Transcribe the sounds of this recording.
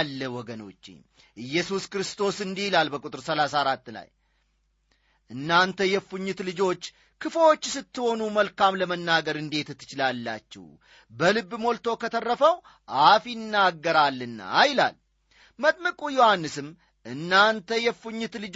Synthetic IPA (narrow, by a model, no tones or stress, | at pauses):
lːəwɔɡəno̞̰t͡ʃːḛɲ | ʔɨjːɛsuskɾɨst̪ʰo̞sɨnd̪ihlalbəkʼut̪ʼɨɾsəlasaɾat̪ːla̰j | ʔɨnːant̪ʰəjɛfuɲːɪt̪lɨd͡ʒo̞t͡ʃː | kʰɨfəwot͡ʃːsɨt̪ːɨho̞numəlkamləmənːaɡəɾɨnd̪e̞t̪ɨt̪ʰːɨt͡ʃɪlalːa̰t͡ʃːɛ̰w | bəlɨbːmo̞lt̪ʰo̞kʰət̪ʰərːəfəw | ʔafnːaɡːəɾalːɨnːa̰jla̰l | mət̪ʼməkʼujo̞hanːɨsɨm | ʔɨnːant̪ʰəjɛfuɲːɪt̪lɨd͡ʒ